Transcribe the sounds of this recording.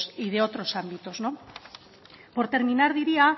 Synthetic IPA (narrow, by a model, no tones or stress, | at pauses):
siðeo̞t̪ɾo̞sambit̪ozno | po̞ɾt̪e̞ɾminaɾðiɾia